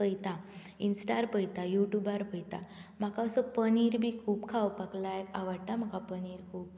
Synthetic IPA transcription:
əjt̪a | insʈaɾpəjt̪ajuʈjubaɾpəjt̪am̤akaəsɔpəniɾbʱiːkʰuːpkʰawpaklaekaʋəɽt̪am̤əkapəniɾkʰuːp̚

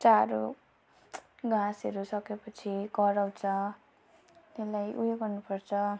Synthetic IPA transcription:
t͡saɾo | ɡãsʌɾusʌkepʌt͡sʰikʌɾawt͡sʰʌ | t̪elajʔujoɡʌrnupʌrt͡sʰʌ

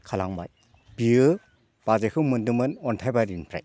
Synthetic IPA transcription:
kʰalaŋba̰j | biɯ | b̥azekʰɯwmɯndɯmɯnɔntʰajbaɾinpʰɾa̰j

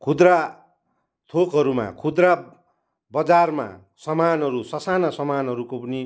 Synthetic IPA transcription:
kʰud̪ra | t̪ʰokɦʌɾuma̰kʰud̪ra | bʌd͡zarma̰ | sʌmanɦʌɾusʌsanasʌmanɦʌɾukopʌni

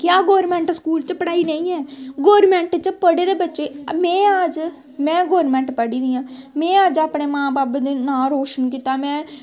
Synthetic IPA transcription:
kjaːɡoːɾmɛ̃ːɳʈskuːlt͡ʃpəɽaːiːnəĩːɛːɡoːɾmɛ̃ːɳʈt͡ʃpəɽeːd̪eːbətːʃeːmɛ̃ːəd͡ʒ | mɛ̃ːɡoːɾmɛ̃ːɳʈpəɽiːd̪iːãːmɛ̃ːəd͡ʒaːpɳeːmãːbaːbd̪eːnaːlɦoːʃənkiːt̪aːmɛ̃ː

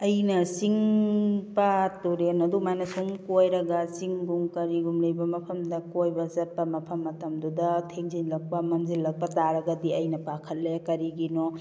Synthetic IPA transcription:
ɐjnɐsiŋ | patuɾenɐdumajnɐsumkojɾɐɡɐsiŋɡuŋkɐɾiɡumlejbɐmɐpʰɐmdɐkojbɐzɐt̚pɐmɐpʰɐmːɐtɐmdudɐtʰeŋzinlɐk̚pɐmɐmzilːɐk̚pɐtaɾɐɡɐdiɐjnɐpakʰɐlːekɐɾiɡino

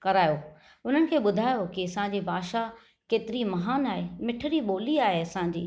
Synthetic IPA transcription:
kɐɾaːjo | ʊn̤ənɪ̆kʰeːɓʊd̪ʱaːjokɪɐsãɲ̆d͡ʑibʱaːʃa | keːt̪ɪɾimɐɦaːnaːɦemɪʈʰəɾiɓoːliaːɦeɐsãɲ̆d͡ʑḭː

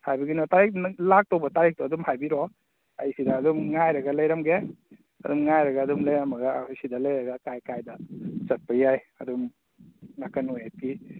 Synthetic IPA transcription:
hajbiɡinɔtaɾik̚lak̚towbɐtaɾik̚tuɐdumhajbiɾɔ | a̰jsidɐːdumŋajɾɐɡɐlɐjɾamɡe | ɐ̰dumŋajɾɐɡaːdumlɐjɾamɐɡajsidɐlɐjɾɐɡɐkajkajdɐt͡ʃɐt̚pajaj | ɐdum | nakɐnujapi

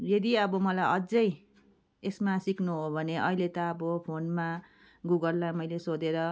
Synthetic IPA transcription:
jed̪iʌbʌmʌlajʔʌd͡zʌj | esmasikʰnuɦobʱʌneʔʌɦilet̪ʌːbʌpʰonma | ɡuɡʌlːajmʌjlesod̪eɾʌ

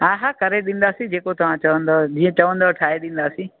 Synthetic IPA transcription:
aːɦakɐɾeɗĩːn̆d̪aːsĩd͡ʒeːkot̪ɐʋ̤ãt͡ʃɐʋə̃nd̪od͡ʑĩːə̃t͡ʃɐʋə̃nd̪oːʈʰaːeɗĩːn̆d̪aːsĩː

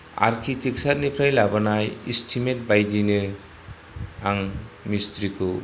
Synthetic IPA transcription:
a̰ɾkʰitik̚sat̚nipʰɾajlabanajistʰimet̚bajdinɯ | aŋmist̪ɾikʰɯ

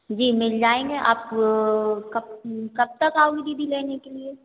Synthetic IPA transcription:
d͡ʒiːmɪld͡ʒaːẽːŋɡeʔa̰ːp | kɐbkɐb̚t̪ɐkaːoɡibʱibʱileːnekelie

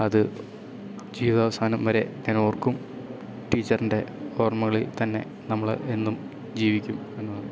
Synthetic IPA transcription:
ɐðɨ | d͡ʑiːʋɐðɐʋɐsaːnɐmʋɐɾe̞̰enoːrkum | ʈiːt͡ɕːɐrinɖe̞oːrmɐɣɐɭilt̪ɐnːe̞̰ | nɐmːɐɭe̞nːum | d͡ʑiːʋikʲːum | e̞nːun

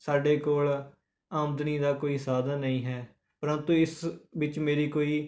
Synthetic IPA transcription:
saːɖeːkoːl | aːmd̪niːd̪aːkoːiːsaːd̪aːnəĩːɦɛː | pəɾənt̪ũːɪsʋɪt͡ʃmeːɾiːkoːiː

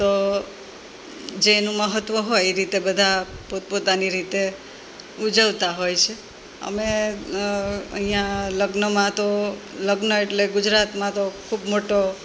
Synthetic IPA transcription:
t̪o | d͡ʒenũməɦət̪ʋəɦojeɾit̪ebəd̪ʱapot̪̚pot̪aniɾit̪e | ud͡ʒəʋt̪aɦojt͡ʃʰe | ə̰me | ə̰ɦĩjãləɡnəmãt̪oləɡnəeʈleɡʊd͡ʒɾat̪mãt̪okʰubmoʈo

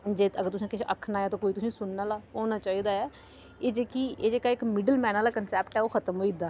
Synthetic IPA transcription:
d͡ʒeːəɡəɾt̪ʊsãːkɪʃʰʔəkʰːnaːjɛːt̪õːkoːit̪ʊsĩːsʊnːaːlaːɦoːnaːt͡ʃaːiːd̪aːɛː | eːd͡ʒeːkieːd͡ʒeːkaːɪkmɪɖəlmɛːnaːlaːkənsɛːpʈɛːoːkʰət̪əmɦoːid̪aː

